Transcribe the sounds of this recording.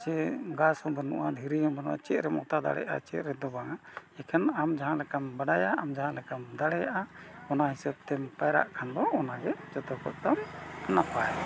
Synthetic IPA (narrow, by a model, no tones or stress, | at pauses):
t͡ʃɛɡashɔ̃bənṵʔad̪ʱiɾiɔ̃bənṵʔa̰t͡ʃɛʔ̪̚ɾɛmɔ̰t̪ad̪a̰ɽɛ̰jʔa̰t͡ʃɛ̰t̪ɾɛd̪ɔbaŋaɛkʰɛnamd͡ʒaɦãlɛkambaɽajaːmd͡ʒaɦãʔlɛkamd̪aɽɛjaʔaɔnaɦisɛb̚t̪ɛmpajɾa̰ʔkʰand̪ɔʔɔnaɡɛd͡ʒɔt̪ɔkɔt̪̚t̪amnapaja